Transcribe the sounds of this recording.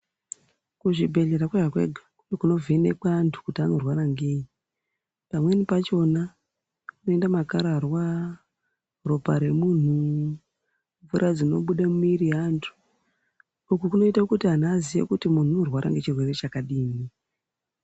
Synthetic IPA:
kuʐibʱe̞ɮe̞ɾakweʐakwe̞̰ɡʱakunekuno̞venekaːntʰu̥kutiano̞rwaɾaŋɡei | pamwe̞nipat͡ʃo̞na | kunoe̞ndamakaɾarwa | ropaɾe̞mun̤u | ɱvuɾad͡zino̞̰ɓuɗamumiɾiantʰu̥ | ukukuno̞itakutiɦan̤azijḛkutimun̤urwaɾa̰ŋɡe̞t͡ʃirwe̞re̞t͡ʃakaɗiːmi

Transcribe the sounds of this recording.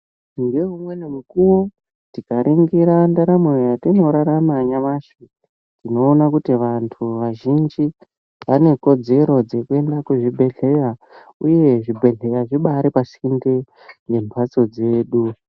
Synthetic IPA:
ŋɡe̞ɦumwe̞nemukuwo | tikaɾʔiŋɡiɾandaɾamwejatino̞ɾaɾamaɲaʋaʃi | tino̞ːnakutiʋantʰuʋaʒind͡ʒi | ʋane̞ko̞d͡ze̞ɾo̞d͡ze̞kue̞ndakuʐibʱe̞ɮe̞ja | uje̞ʐibʱe̞ɮe̞jaʐiɓaɾipasinde | ne̞mpʰat͡so̞d͡ze̞ːɗu

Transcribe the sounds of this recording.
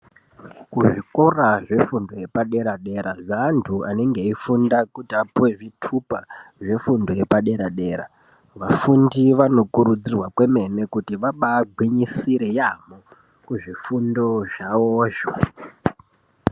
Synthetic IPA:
kuʐikoraʐe̞fundo̞je̞paɗe̞ɾaɗe̞ɾaʐaːntʰuane̞ŋɡe̞ifundakutiapuwe̞ʐitʰupaʐe̞fundo̞jepaɗe̞ɾaɗe̞ːɾa | ʋafundiʋano̞kuɾud͡zirwakwe̞me̞ne̞kutiʋaɓaːɡʱwiɲisiɾejamo | kuʐifundo̞ʐaoːʒa

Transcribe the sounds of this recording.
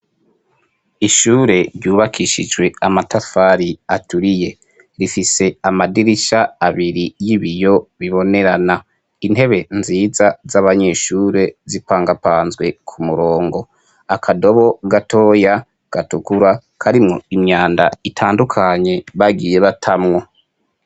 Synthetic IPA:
iʃuːɾe̞ɾɟuːβakʰiʃid͡ʒwe̞amatafaɾiatuɾije̞ | ɾifise̞amadiɾiʃaːβiɾijiβijo̞βiβo̞ne̞ɾana | inɦe̞βe̞nziːzazaβaɲe̞ʃuːɾe̞zipaːŋɡapaːnzɡwe̞kʰumuɾo̞ːŋɡo̞ | akʰado̞βo̞ɡatʰo̞ːja | ɡ̥atukuɾa | kʰaɾimŋo̞̰imɲaːnda̰itʰaːndukʰaɲe̞βaɡiːje̞βatʰamŋo̞

